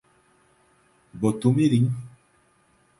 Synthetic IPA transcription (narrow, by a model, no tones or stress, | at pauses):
bɔtomeɾiŋ